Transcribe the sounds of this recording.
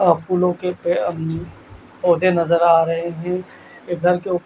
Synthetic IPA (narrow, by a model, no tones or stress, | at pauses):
aːfuːlõkepe | oːd̪ʱenɐzəɾaːɾɐɦeɦɛ̃ | eɡʱɐɾkeʊ